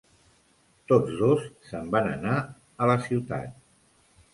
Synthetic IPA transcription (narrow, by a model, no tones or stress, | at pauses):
t̪od͡zðosːəmbanəna | ələsiwt̪a̰t̪̚